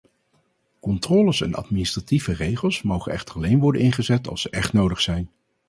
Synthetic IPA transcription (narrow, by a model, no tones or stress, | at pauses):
kɔntrɔːləsɛ̰nɑ̰tministrativərejχəlˠsmowχənɛχtərɑlejnʋɔɹdənɪnχəzɛtɑ̰lˠsəʔɛχtnowdəχsɛjn